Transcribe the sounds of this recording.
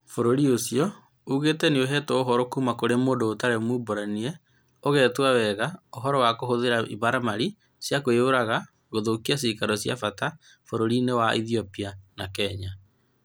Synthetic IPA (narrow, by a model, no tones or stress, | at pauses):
foɾoɾiosiɔ | uːɣetɛneoɦɛːtɔoɦɔɾɔkumakoɾemoːndoːtaɾɛmuboɾaniɛ | oɣɛːtwawɛɣaoɦɔɾɔwakoɦoðeɾaʔiβaɾamaɾi | sjakoeoɾaɣa | ɣoðokias̬ikaɾɔsja̰fata | foɾoɾinewaʔḭθiɔpianakɛɲa